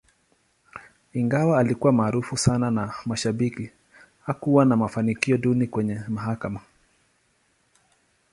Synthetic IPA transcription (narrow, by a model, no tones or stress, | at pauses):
iŋɡawaːlikuwamaːɾufusananamaʃaɓiki | hakuwanamafanikiɔɗunikwɛɲɛmaɦakama